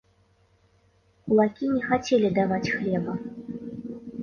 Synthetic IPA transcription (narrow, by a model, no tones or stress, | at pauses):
ulˠakʲinʲɛxat͡sʲelʲid̪avat͡sʲxlʲɛbɐ